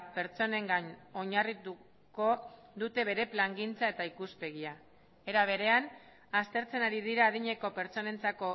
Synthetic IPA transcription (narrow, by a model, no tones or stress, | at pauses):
pe̞ɾt͡so̞ne̞ŋɡano̞ɲarit̪u | ko̞ðut̪e̞βe̞ɾe̞plaŋɡint͡sae̞t̪aikuspe̞ɣia | eɾaβ̞e̞ɾe̞an | ast̪e̞ɾt͡se̞naɾiðiɾaːðiɲe̞ko̞pe̞ɾt͡so̞ne̞nt͡sako̞